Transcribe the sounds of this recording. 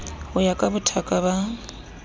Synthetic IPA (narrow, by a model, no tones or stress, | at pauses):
ʊjakʼabʊtʰakʼaβa